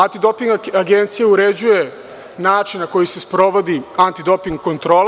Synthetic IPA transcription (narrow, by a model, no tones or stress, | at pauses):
ant̪id̪o̞piŋɡaɡent̪sijauɾe̞d͡ʑuje | naːt͡ʃinnako̞jise̞spɾo̞ʋo̞d̪iant̪id̪o̞piŋɡko̞nt̪ɾo̞ːl